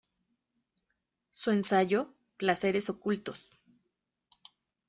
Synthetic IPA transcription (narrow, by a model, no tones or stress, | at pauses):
sue̞nsaʝo̞ | plase̞ɾe̞so̞kult̪o̞s